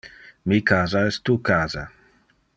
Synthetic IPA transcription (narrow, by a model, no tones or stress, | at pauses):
mikʰaːzaɛst̪ukaːza̰